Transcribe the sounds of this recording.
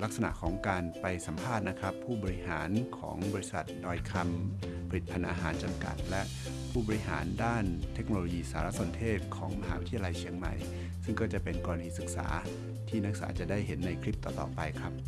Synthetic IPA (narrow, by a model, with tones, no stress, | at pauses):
la˦˥k̚sa˧na̰˨˩ʔkʰɔː˩˦ŋkaː˧npa˧jsa˩˦mpʰaː˥˩t̪̚na˦˥kʰɾa˦˥pʰːuː˥˩bɔː˧ɾi˦˥ɦaː˩˦nkʰɔ̰ː˩˦ŋbɔː˧i˦˥sa˨˩t̪̚dɔː˧jkʰa˧mpʰa˧ɾi˨˩t̪̚pʰa˧nʔa̰ː˧ɦaː˩˦nt͡ɕa˧mka̰˨˩t̪̚lɛ˦˥ʔ | pʰuː˥˩bɔː˧ɾi˦˥ɦa̰ː˩˦ndaː˥˩nt̪ʰe˦˥k̚noː˧loː˧jiː˧saː˩˦ɾa˦˥so˧nt̪ʰeː˥˩t̪̚kʰɔ̰ː˩˦ŋma˧ɦhaː˦wi˦˥t̪ʰi˧la˧jt͡ɕʰi˧əŋma̰˨˩j | sɯ˥˩ŋkɔː˥˩t͡ɕa˨˩pe˧nkɔː˧ɾa˧diː˧sɯ˨˩k̚sa̰ː˩˦ | t̪ʰiː˥˩na˦˥k̚sa̰ː˩˦t͡ɕa˨˩daː˥˩jɦe˩˦nːa˧jkʰɾi˦˥p̚t̪ɔː˨˩t̪ɔ̰ː˨˩pa˧jkʰɾa˦˥p̚